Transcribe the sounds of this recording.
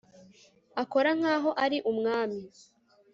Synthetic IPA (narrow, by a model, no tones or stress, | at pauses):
ako̞ɾaŋ̥aːɦo̞ʔaɾiʔumŋaːmi